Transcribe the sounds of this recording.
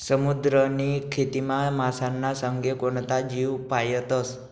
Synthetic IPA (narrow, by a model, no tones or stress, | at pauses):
səmud̪ɾənikʰet̪imãmasanːasəŋɡekont̪ad͡ʒiʋpajət̪əs